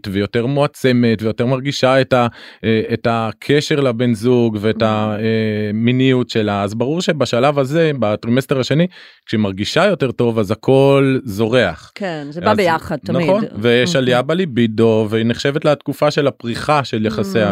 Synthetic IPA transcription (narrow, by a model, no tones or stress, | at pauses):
tvejo̞te̞ʁmoat͡se̞me̞tve̞jo̞te̞ʁmaʁɡiʃaetaː | takʰe̞ʃe̞ʁlabe̞nzuɡveːtaeminijutʃe̞laːzbaʁuʁʃe̞baʃalavaze̞batʁimesteʁaʃe̞ni | kʃemaʁɡiʃajo̞teʁto̞vazakʰo̞lzo̞ʁe̞aχkenzaejaχad̚naχonveʃaliabalibidoveneχʃe̞vetlat̪kufaʃe̞lapʁiχaʃe̞ljaχasea